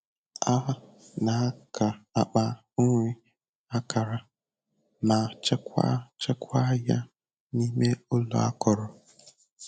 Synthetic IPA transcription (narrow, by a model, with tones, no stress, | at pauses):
a˦ɦa˦ | na˨˦kʰa˨a˨k͡pa˦ | o˦ŋʷe˦ | a˦ka˨ɾa˨ | na˨t͡ʃe˦kʷa̰˦t͡ʃe˦kʷa˦ja˦ | ni˦me˦o˦lo̰˨˦a̰˦kɔ˨ɾɔ˨